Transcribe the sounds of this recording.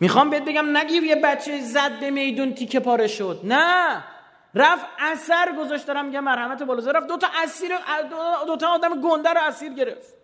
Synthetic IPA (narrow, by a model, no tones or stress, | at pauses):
mixɒmbeet̪̚be̞ɡæmnæɡiɾujebæt̪t͡ʃʰezæd̪̚be̞me̞jd̪unt̪ʰikʰe̞pʰɒːɾeʃod̪̚næ | ræfæsæɾɡo̞zɒʃt̪æɾæmːiɟæmːæɾhæmæt̪ʰebɒːloːzeɾæfd̪ot̪ʰɒʔæsiːɾeʔ̪od̪ot̪ʰɔːd̪æmeɡond̪æɾoæsiːɾɟe̞ɾeft̪